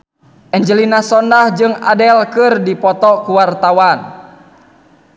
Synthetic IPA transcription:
ʔɛɲd͡ʒəlinasɔndahd͡ʒɨŋa̰dɛlkɨrdipɔt̪ɔkuwart̪awan

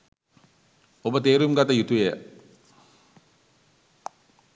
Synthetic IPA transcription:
obət̪eːɾumɡat̪əjut̪ujejə

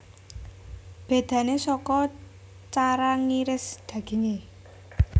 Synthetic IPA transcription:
b̥e̤d̪̥ä̤nesɔkɔ | t͡ʃaɾaŋiɾɪsd̪̥ä̤ɡ̥i̤ŋe

